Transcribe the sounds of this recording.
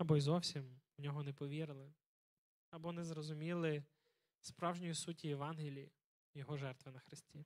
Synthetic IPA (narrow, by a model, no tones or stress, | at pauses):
ɐbɔizɔwsʲimwnʲɔɦɔnɛpɔʋʲiɾɪlˠɪ | ɐbɔnɛzɾɔzʊmʲilˠɪ | spɾɑwʒnʲɔjisutʲːijeʋɑnɦɪlʲii | jɔɦɔʒɛrt̪ʋɪnɐxɾɪsʲtʲi